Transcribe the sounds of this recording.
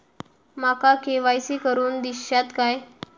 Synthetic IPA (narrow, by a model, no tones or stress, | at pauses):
makakeʋajsiːkəɾuːnd̪iɕat̪kaj